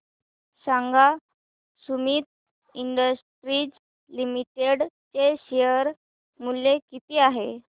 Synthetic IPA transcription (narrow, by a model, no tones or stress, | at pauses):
saŋɡa | sumiːt̪̚ | iɳɖəsʈɾiːd͡z | limiʈeɽt͡seɕejəɾ | muljekit̪eaɦe